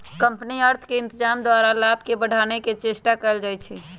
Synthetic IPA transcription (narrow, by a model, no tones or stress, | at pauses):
kəmpəniəɾt̪ʰkeɪnt̪əd͡ʒaːmd̪waɾalab̚ʱkebəɽʱaneket͡ʃesʈakəld͡ʒajt͡ʃʰi